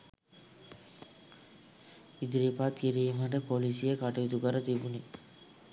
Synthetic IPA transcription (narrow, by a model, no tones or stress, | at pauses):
id̪ɾipat̪kiɾiːmaʈəpolisijəkaʈijud̪ukəɾət̪ibuni